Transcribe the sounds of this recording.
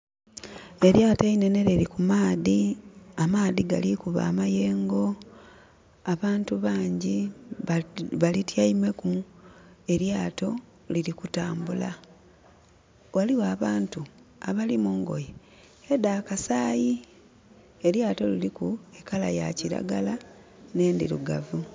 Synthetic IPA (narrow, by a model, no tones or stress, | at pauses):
e̞ɾjaːteine̞ne̞ɾeɾikumaːðiamaːðiɡa̰likuβa̰ːmaje̞ːŋɡo̞ | aβaːntuβaːɲɟi | βalitjaime̞ku | e̞ɾjaːto̞ | lilikutaːmbula | waliwaːβaːntuaβalimuːŋɡo̞̰je | edaːkasaːji | eljaːto̞lilikuekala̰jaciɾa̰ɡala | ne̞ːndḭɾuɡavu